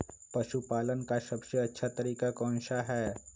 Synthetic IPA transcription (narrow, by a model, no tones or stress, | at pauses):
pɐʃupaːlənkasɐbseɐtːʃʰat̪ɐɾiːkakɔ̃ːnʃaɦɛː